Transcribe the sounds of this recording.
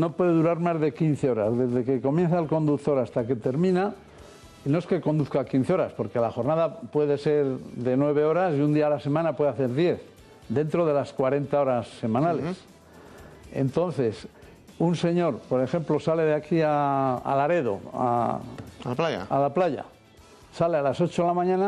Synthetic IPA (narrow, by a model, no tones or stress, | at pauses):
no̞pwe̞ðeðuɾaɾmazðe̞kinθeo̞ɾazðe̞zðe̞ke̞ko̞mjẽ̞n̟θaelkond̪uk̚t̪o̞ɾast̪ake̞t̪e̞ɾmĩna | ino̞e̞ske̞ko̞nd̪uθkakin̟θeo̞ɾaspo̞ɾke̞laxo̞ɾnaðapwe̞ðe̞se̞ɾðe̞nwe̞β̞e̞o̞ɾasiund̪iaːlase̞mãnapwe̞ðeaθe̞ɾðje̞θ | d̪e̞nt̪ɾo̞ð̞e̞laskwaɾe̞nt̪ao̞ɾasːe̞mãnales | e̞̰nt̪o̞nθe̞s | unse̞ɲo̞ɾpo̞ɾe̞xe̞mplo̞sale̞ðeakiaa̰laɾe̞ðo̞̰a̰ | aa̰alaplaʝa̰ | salealaso̞t͡ʃoelamãɲãna